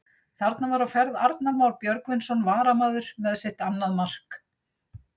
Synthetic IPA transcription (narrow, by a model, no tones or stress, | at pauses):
θaɾt̪navaɾawfɛɾðaɾt̪namawɾpjœɾkvɪnsɔnvaːɾamaːðʏɾ̥mɛðsɪht̪anːaðmar̥k